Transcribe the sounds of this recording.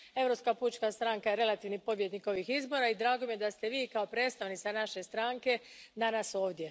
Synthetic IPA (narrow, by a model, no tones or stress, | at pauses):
e̞vɾo̞pskaput͡ʃkast̪ɾaŋkajeɾe̞lˠat̪iːʋnipo̞bjed̪niko̞ʋixizbo̞ɾaid̪ɾaːɡo̞mije̞d̪ast̪e̞ʋiːkao̞pɾe̞ːt̪st̪aʋnit̪sanaʃe̞st̪ɾaːŋke̞d̪anaso̞ːʋd̪je̞